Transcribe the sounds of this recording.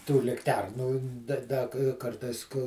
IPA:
tuː lʲɪkˈtʲɛrnuː dɐ ˈdɐ k ˈkɐrtɐɪs kʊ

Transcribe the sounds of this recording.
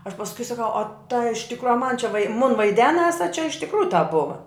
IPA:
ɐʃ pɐsˈkʊɪ sɐˈkɐʊ oː tɐ ɪʃ ˈtʲɪkroː ɐ mɐn t͡ʃʲɛ ʋɐɪ mʊn ʋɐɪˈdʲæːnɐs ɐ t͡ʃʲɛ ɪʃ tʲɪkˈruːjʊ tɐp ˈbʊʋɐ

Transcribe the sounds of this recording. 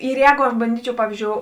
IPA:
ɪr ˈjɛːɡʊ ɐʃ bɐnʲˈdʲiːt͡ʃʲɛʊ ˈpɑːʋʲiːzʲd͡ʒʲoːʊ

